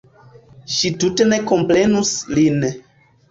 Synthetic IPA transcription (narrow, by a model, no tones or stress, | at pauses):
ʃitutene̞ko̞mpɾe̞nuslin